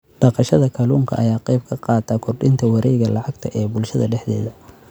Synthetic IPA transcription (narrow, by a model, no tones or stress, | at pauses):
ɖ̥ɑqɑʃɐðɐkʰɐluːŋkʰɐ̰ʔɐjaːqɛjb̚kʰɐqɑːt̪ʰːɐkʰʊrɖɪnt̪ʰɐwɑɾɛjɣɐlɑʕɑɡt̪ʰɐʔɛːbʊlʃɐðɐɖɛħd̪ɛ̰ːðɐ